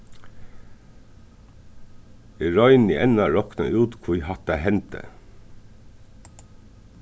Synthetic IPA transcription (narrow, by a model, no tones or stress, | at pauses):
ɪɹɔʏniʔɛnɑɹɔknɑʔʉːt̪kʰʊhɑt̪ɑɦɛnt̪ʰə̰